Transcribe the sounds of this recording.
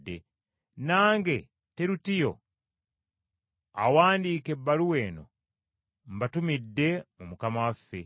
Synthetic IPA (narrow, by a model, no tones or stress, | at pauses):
dːḛ | naːŋɡe̞ | teɾutijo̞̰ | a̰waːndiːke̞bːaluwe̞ːno̞̰ | mbatumidːe̞mumukamawafːe̞